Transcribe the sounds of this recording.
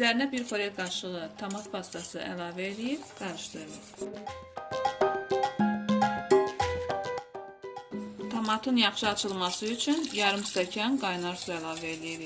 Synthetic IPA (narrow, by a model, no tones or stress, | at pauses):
yzæɾinæbiɾfoɾet̪ɡɑɾʃɯʁɯt̪ʰomɑt̪pʰɑst̪ɑsɯʔæ̰lɑːvæelijiɾɡɑɾɯʃd̪ɯɾɯlˠɯ̰ɾ | t̪ʰomɑt̪ʰɯnjɑχʃɯɑt͡ʃʰɯlˠmɑsɯyt͡ʃʰynjɑɾɯmst̪ɑcʰɑnɡɑjnɑɾsuælˠɑːvæelijiɾi